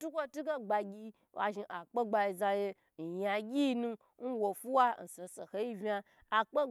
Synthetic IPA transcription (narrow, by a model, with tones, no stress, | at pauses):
tu˦kʷo˦tu˦ɡe˦ɡ͡ba˧ɡʲi˧ | a̰˨ʒi˧ʔa˨k͡pe˦ɡ͡ba˧i˧za˧je˧ | n̩˨ja˨ɡʲi˦nũ˧ | n̩˦wo˨fu˦wa˦n̩˨so˨so˨he˦ji˦vʲa˧ | a˨k͡pe˦